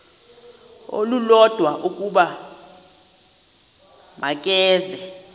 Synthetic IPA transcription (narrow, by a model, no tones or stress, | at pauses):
o̰lulɔd̥ʱwaʔuk̬ʼuɓa | makʼɛːzɛ